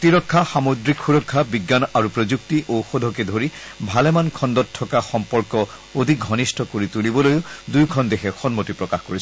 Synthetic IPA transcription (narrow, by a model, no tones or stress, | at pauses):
tiɹɔkʰːaxamodɹikxuɹɔkʰːabiɡːanaɹupɹozuk̚tiʔowxodʱɔkɛdʱoɹi | bʱalɛmankʰɔndɔtʰːɔkaxɔmpɔɹkɔ | odʱik̚ɡʱɔnistʰɔkoɹitulibɔlojʊdujkʰɔndexɛxɔnmotipɹɔkaxkoɹisɛ